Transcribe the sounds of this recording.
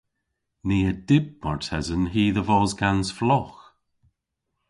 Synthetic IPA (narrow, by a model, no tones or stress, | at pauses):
niːədɪb̚mɔɹtʰɛzənɦiːðəvɔːzɡansflɔx